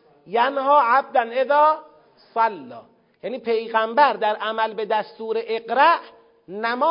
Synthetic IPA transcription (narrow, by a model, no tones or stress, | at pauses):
jænhɒːʕab̚d̪æneðɒː | sælːɒ̰ː | jæniːpʰe̞jɣæmbæɾd̪æɾʔæmælbe̞d̪æst̪uːɾeʔeɢɾæʔ | næmɒː